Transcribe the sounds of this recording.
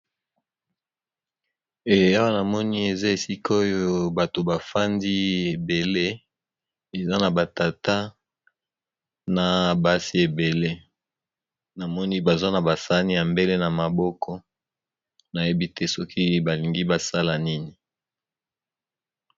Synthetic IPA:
e˨˦a˦wa˦na˨mɔ˦ni˦e˨za˦e˨si˦kʰo˦jo˦ba˨to˨ba˨fa˦ndi˦e˨be˨le˦ | e˨za˦na˨ba˨ta˨ta˦ | na˨ba˦si˦e˨be˨le˦ | na˨mɔ˦ni˦ba˨za˦na˨ba˨sa˦ni˦ja˨mbe˦le˦na˨ma˨bɔ˦kʰɔ˦ | na˨je˦bi˦te˦sɔ˦kʰi˦ba˨li˨ŋɡi˦ba˨sa˦la˨ni˦ni˨

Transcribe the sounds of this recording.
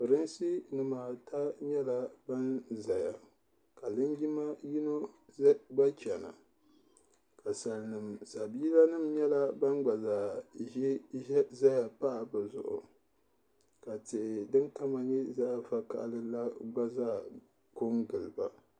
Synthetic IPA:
pɨ˨ɾɨ˦nsi˦nɨ˨maː˨tʰa˦ɲɛ˦la˦ba˦nza˨ja˨ | ka˨lɨ˦nɡi˦ma˦ji˦no˦ | ɡ͡ba˦t͡ʃɛ˨na̰˨ | ka˨sa˨lnɨ˨msa˨biː˦la˦nɨ˦˨mɲɛ˦la˦ba˦nɡ͡ba˨zaː˨i˦za˦ja˨pa˦ʔa˨bɨ˨zʊ̰˨ʔʊ̰˨ | ka˨tɪ˨ʔɪ˨dɨ˦nka˦ma˨ɲɛ˦za˦˨fa˦ka̰˨ʔlɨ˦la˦ɡ͡ba˦zaː˦˨ | ko˦ŋɡɨ˨lɨ˨ba˨

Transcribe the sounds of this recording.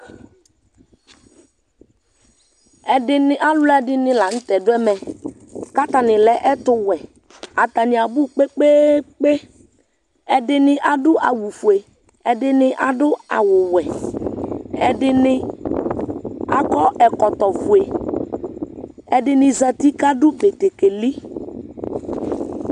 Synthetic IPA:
ɛ˨dɪ˦nɪ˦ʔa˦lʊ˦la˦dɪ˦nɪ̃˦la˨ŋ̩˦t̪ɛ˨dʊ˦ɛ˦mɛ˨ | ka˦t̪a˨nɪ˨lɛ˨˦ʔɛ˦t̪ʊ˦wɛ˨ | a˨t̪a˨nɪ˨a˨bu˦k͡pe˦k͡pe˦k͡pe˦ | ɛ˨dɪ˨nɪ˦ʔa˨dʊ˦ʔa˨wu˨fu˨e˨ | ɛ˨dɪ˦nɪ˦ʔa˨dʊ˦a̰˨wʊ˨wɛ˨ | ɛ˨dɪ˦nɪ˦ | a˨kɔ˦ɛ˨kɔ˨t̪ɔ˨vu˨e˨ | ɛ˨dɪ˨nɪ˨za˨t̪i˦ka˦dʊ˦be˨t̪e˨ke˨li˦

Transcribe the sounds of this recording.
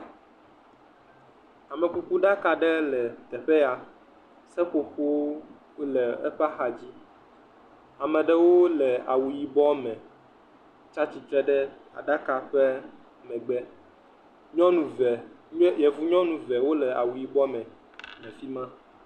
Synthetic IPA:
a˨mɛ̃˨ku˦ku˦ɖa˦ka˨ɖɛ˦lɛ˨t̪ɛ˨ɸɛ˦a˨ | sɛ˦ko˦ɸu˦wo˦ | lɛ˨ɛ̰˦ɸa˦xa˨d͡ʑi˦ | a˨mɛ̃˨ɖɛ˦wo˦lɛ˨a̰˨wu˨ji˨bɔ˦mɛ̃˨ | t͡ʃa˦t͡ɕi˨t̪ɾɛ˦ɖɛ˦a̰˨ɖa˦ka˨ɸɛ˦ | a˨mɛ̃˨ɡ͡bɛ˦ | ɲɔ̃˦nũ˨vɛ˨˦ | jɛ˨vu˦ɲɔ̃˦nũ˨vɛ˨wo˦lɛ˨a̰˨wu˨ji˨bɔ˦mɛ̃˨ | mɛ̃˨fi˦mã˦

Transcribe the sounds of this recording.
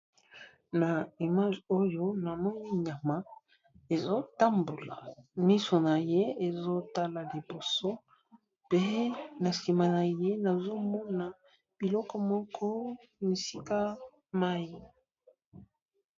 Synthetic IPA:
na˨i˨ma˦ʒo˦jo˦na˨mɔ˦ni˦ɲa˨ma˦ | e˨zo˦ta˦mbo˨la̰˨mi˦so˨na˨je˦e˨zo˦ta˦la˨li˨bo˨so˦ | pe˦na˨si˨ma˨na˨je˦na˨zo˦mɔ˦na˨ | b̥i˨lɔ˦kɔ˦mɔ˦kʰɔ˦ | mi˨si˦ka˦ | ma˦ji˦

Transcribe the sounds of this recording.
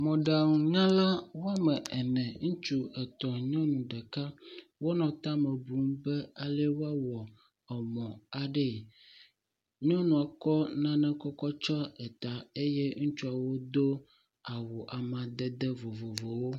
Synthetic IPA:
mɔ̃˨ɖa˨ŋũ˨ɲã˦la˦wo˦a˦mɛ˨ɛ˨nɛ̃˨ŋũ˦t͡ʃu˦ɛ˨t̪ɔ˨ɲɔ̃˦nũ˨ɖɛ˨ka˦wo˦nɔ̃˨t̪a˦mɛ̃˨bu˨ŋ˦bɛ˦a˨lɛ˦wo˦a˦wɔ˨ | ɔ˨mɔ̃˨a˨ɖɛ˦˨ | ɲɔ̃˦nũ˨a˨kɔ˦nã˦nɛ̃˦kɔ˦kɔ˦t͡ʃɔ˦ɛ˨t̪a˨e˦jɛ˦ŋũ˦t͡ʃu˦a˨wo˦d̪o˦ | a˨wo˨ʔa˨mã˨d̪ɛ˦d̪ɛ˦vo˨vo˨vo˨wo˦

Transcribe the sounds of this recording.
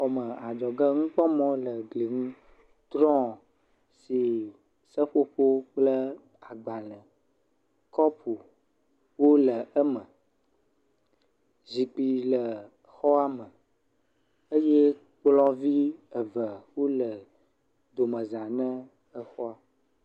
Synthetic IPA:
xɔ˨mə˨a˨d͡ʒɔ˨ɡə˦ŋũ˦k͡pɔ˦mɔ̃˦lə˨ɡli˨ŋũ˦ | t̪ɾɔ̃˦ | si˨ | sə˦ɸo˦ɸo˦k͡plə˦ | a˨ɡ͡ba˨lə̃˨ | kɔ˦pu˨ | wo˦lə˨ʔə˦mə̃˨ | zi˨k͡pi˨lə˨ | xɔ˦a˦mə̃˨ | ə˦je˦ | k͡plɔ̃˦vi˦ə˨və˨wo˦lə˨ | d̪o˨mə̃˨zã˨nə̃˦ | ə˦xɔ˦a˨

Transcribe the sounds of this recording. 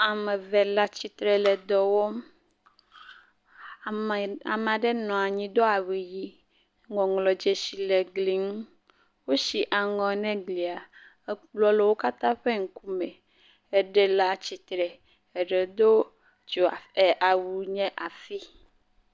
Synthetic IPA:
a˨mɛ̃˨vɛ˨la˦t͡ɕi˨t̪ɾɛ˨lɛ˨d̪ɔ˨wɔ˦m˨ | a̰˨m˨ã˨ɖɛ˦nɔ̃˨a˨ɲĩ˦d̪o˦a˨wi˨ji˦ | ŋɔ̃˨ŋlɔ˨d͡ʒe˨si˨le˨ɡli˨ŋ˦ | wo˦ʃi˨ʔa˨ŋɔ̃˨˦nɛ̃˦ɡli˨a˨˦ | k͡plɔ˦le˨wo˦ka˦t̪ã˦ɸe˦ŋ̩˦ku˦mɛ̃˨ | ɛ˦ɖɛ˨la˦t͡ɕi˨t̪ɾɛ˨ | e˨ɖɛ˨d̪o˦ | d͡ʒo˨a˨e˨ʔa˨wu˨ɲɛ̃˦ʔa˨fi˦

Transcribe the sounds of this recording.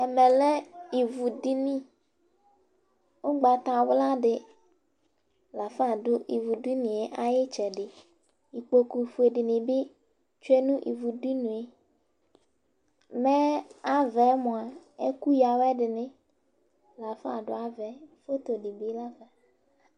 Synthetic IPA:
ɛ˨mɛ̃˨lɛ˦i˨vu˨di˦nĩ˦ | o˦ɡ͡ba˨t̪ã˨wla˦ɖɪ˨ | la˨fa˦˨dʊ˦ʔi˨vu˨di˦nĩ˨e˨ʔa˨jɪ˦t͡ʃɛ˨ɖɪ˨ | i˨k͡po˨ku˨fu˨˦e˨ɖi˨nĩ˨bi˦ | t͡ʃe˦nũ˦ʔḭ˨vu˨di˦nũ˨e˨ | mɛ̃˦a˦vɛ˨˦mõ˨a˨e˦ku˦ja˨wɛ˦ɖɪ˨nɪ̃˦ | la˨fa̰˨ɖʊ̰˦a˨vɛ˨fo˦t̪o˨ɖi˨bi˦la˦vɛ˨

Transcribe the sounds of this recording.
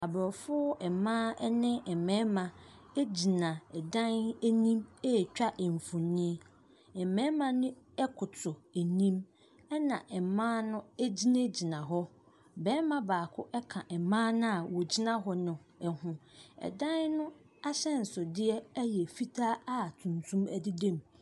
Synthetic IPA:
a˨bɔ˨fʊ˦ɛ˨mãː˦ɛ˦nɪ̃˦ɛ˨mɛ̃˨˦mã˨e˦d͡ʑi˨nã˨ɛ˨dã˦næ˦nĩ˦mɛ˦˨t͡ɕᶣa˦ʔɛ˨ɱ˨fũ˨nĩ˦ | ɛ˨mɛ̃˦mã˨nɪ̃˦ɛ˦kʰʊ˨tʰʊ˨æ˨nĩ˦m | ɛ˦nã˨ʔɛ˨mãː˦nʊ̃˦e˦d͡ʑi˦nẽ˦d͡ʑi˨nã˨ɦɔ˦ | bɛː˦mã˦baː˨kʰʊ˦ʔɛ˦kʰã˨ʔɛ˨mãː˦nʊ̃˦a˨wɔ˨d͡ʑi˦nã˦ɦɔ˦nʊ̃˨ɛ˨hʊ̃˨ɛ̰˨dã˦nnʊ̃˦ | a˦ɕɛ˦n̩˨sʊ˨dɪ˦ɛ˦jɛ˨fi˦tʰaː˦a˦˨tʰũ˨ntʰũ˦mæ˦dɪ˦dẽ˦˨m

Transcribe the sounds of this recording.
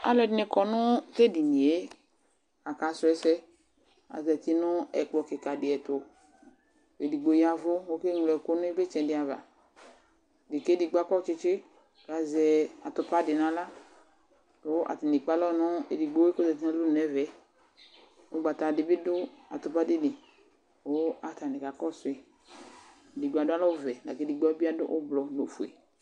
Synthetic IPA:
a̰˨lɔ˨˦dɪ˦nɛ˨kɔ˨nʊ˦te˦di˨ɲi˨e˦ | a˨ka˨sʊ˨˦ɛ˨sɛ˦ | a̰˨zɛ˨t̪i˦nʊ˦ɛ̰˨kɔ˨kɪ˨ka˨dɪ˨ɛ˨tʊ˨ | e˨di˨ɡ͡bo˨ja˨vʊ˦wo˦ke˦ŋ˨lɛ˨ko˦nʊ̃˦i˦be˦t͡ʃɛ̃˨dɪ˨a˨va̰˨ | dɪ˨ke˦di˨ɡ͡ba˦kɔ˦t͡ʃɪ˧t͡ʃɪ˦˨ | ka˨zɛ˨a˨t̪ʊ˨pa˦dɪ˨nã˨la˦ | o˦ʔa̰˨tɪ˨nɪ˨k͡pa˦lɔ˦nɔ˦ḛ˨di˨ɡ͡bo˨˦e˦ko˦zɛ˨t̬i˦nã˨lʊ˦˨nɛ˨vɛ˨˦ | o˦ɡ͡ba˨t̪a˨dɪ˨bɪ˦dʊ˦a̰˨t̪ʊ˨pa˦dɪ˦nɪ˨ | o˦a˨ta˨nɪ˨ka˨kɔ˦sʊ˨e˨ | di˨ɡ͡ba˨da˦lɔ˦vɛ˨ɡa̰˨ke˦di˨ɡ͡bɔ˦bi˦a˦dʊ̰˦ʔʊ˦blɔ˨no˨fu˨ḛ˨

